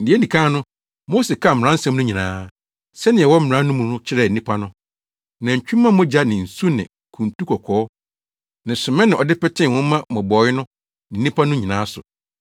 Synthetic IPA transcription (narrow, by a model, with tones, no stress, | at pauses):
n̩˨dɪ˨ɛ˦nĩ˨kʰã˦nʊ̃˦ | moː˦se˨kʰa˦˨m̩˨ã˦n̩˦sã˦mnʊ̃˦ɲĩ˨nãː˨˦ | sɛ˦nɪ̃˨ɛ˨wɔ˦m̩˨ã˦nʊ̃˦mũ˨nʊ̃˦t͡ɕʰɪ˦ɾɛ˨n̩˨ĩ˦pʰa˦nʊ̃˦ | nã˨ɲ̩˨t͡ɕᶣũ˦mːã˦m˦ɔ̃˦d͡ʑa˦nɪ̃˨n̩˨su˦nɪ̰̃˨ | kʰũ˨n˨tu˦kʰɔ˨kʰɔː˨˦ | nɪ̃˨sʊ˨mɛ̃˦nɪ̃˨ɔ˨dɪ˦pɛ˦tʰɪ̃˦˨wʊ̃˦mã˦mɔ̃˨bɔː˨˦jɪ˦nʊ̃˦ | nɪ̃˨n̩˦ĩ˦pʰa˦nʊ̃˦ɲĩ˨nãː˨˦sʊ˨